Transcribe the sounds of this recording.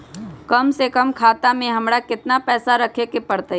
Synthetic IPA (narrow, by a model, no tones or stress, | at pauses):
kɐmsekəmkʰaːt̪amẽɦɐmɽakɪt̪napɛːsaɾɐkʰekepɐɾt̪ə